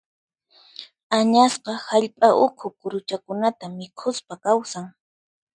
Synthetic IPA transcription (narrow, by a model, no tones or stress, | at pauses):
aɲasqɑhaʎpʼaʔʊkʰʊkʊɾʊt͡ʃakʊnat̪amɪkʰʊspakawsaŋ